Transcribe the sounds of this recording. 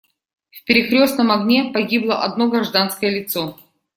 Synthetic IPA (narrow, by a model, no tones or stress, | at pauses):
fpʲɪɾʲɪkɾʲo̞stnəmɐɡnʲepɐɡʲiblˠəʔɐd̪no̞ɡɾɐʐd̪anskəjəlʲɪt̪so̞